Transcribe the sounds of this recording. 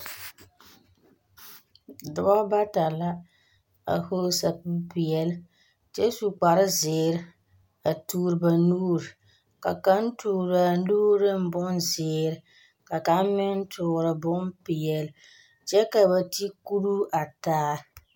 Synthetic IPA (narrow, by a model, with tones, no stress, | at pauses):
dʊ˦ba˦ba˦ta˨la˦ | a̰˨hoː˦sa˨pu˦pɪ˨jɛ˨l | t͡ʃɛ˦su˨k͡pa˨ɾɪ˦zɪː˨ɾɪ˦ | a˨tuː˦ɾɨ˨ba˨nuː˦ɾi˨ | ka˨ka˦n˦tuː˨ɾa˨˦luː˦ɾɪ˦m˦bʊ˦n˦zɪː˨ɾɪ˨ | ka˨ka˦m˦mɪ˦n˦tʰʊː˨ɾɪ˨bʊ˦mpɪ˨jɛ˨l | t͡ʃɛ˦ka˨ba˨ti˦ku˦ɾu˦a˨taː˦